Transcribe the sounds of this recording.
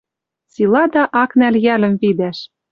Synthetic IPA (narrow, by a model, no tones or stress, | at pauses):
silˠɑd̪ɑʔɑknæljælɘ̆mvid̪æʃ